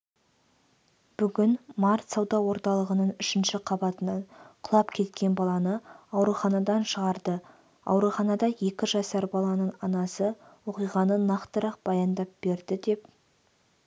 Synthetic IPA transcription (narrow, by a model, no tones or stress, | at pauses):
b̥ʏɡʲɪnmɑɾt̪sɑwd̪ɑwo̞ɾt̪ɑlˠəʁənəɴʏʃɪnʃɪqʰɑbɑt̪ənɑɴqʰʊlˠɑpkʲʰe̞t̪kʲe̞nbɑlˠɑnəɑwɾuχɑnɑd̪ɑnʃəʁɑɾd̪ə | ɑ̰wɾuχɑnɑd̪ɑje̞kʲɪʒɑsɑɾbɑlˠɑnəɴɑnɑsəwo̞qijʁɑnənɑqt̪əɾɑq̚b̥ɑjɑnd̪ɑp̚b̥e̞ɾd̪ɪd̪e̞p